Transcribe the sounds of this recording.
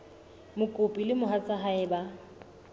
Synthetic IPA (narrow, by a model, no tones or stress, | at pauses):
mʊkʼʊpʼilɪmʊɦat͡sʰʼaɦaɪba